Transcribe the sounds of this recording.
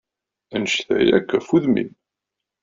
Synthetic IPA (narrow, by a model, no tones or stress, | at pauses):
ænʃθæ̰jæ̰kːæfuðmḭn